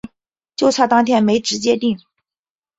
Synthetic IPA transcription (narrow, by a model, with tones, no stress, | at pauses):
t͡ɕjo˥˧ʊt͡sʰwa˥˩t̪ɑ˥ŋt̪ʰjɛ˥nme˧˥ɪʈ͡ʂɻ̩˧˥t͡ɕjɛ˥t̪i˥˩ŋ